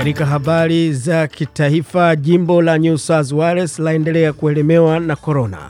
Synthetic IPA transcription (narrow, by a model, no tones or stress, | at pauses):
aɾikaɦaɓaɾizakʰitaifaʄimbɔlaɲusazwaɾaslaɛndɛlɛakuɛlɛmɛwanakɔɾɔna̰